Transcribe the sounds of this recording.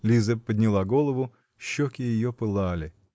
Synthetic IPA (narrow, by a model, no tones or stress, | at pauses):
lʲizəpːəd̪ʲnʲɪlˠaɡo̞lˠəvʊ | ɕːokʲɪjɪjopɨlˠalʲɪ